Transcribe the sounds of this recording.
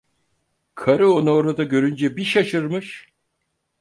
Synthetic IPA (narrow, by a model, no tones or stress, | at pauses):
kʰaɾɯo̞nuoɾad̪aɟø̞ɾynd͡ʒɛbiʃaʃɯɾmɯʃ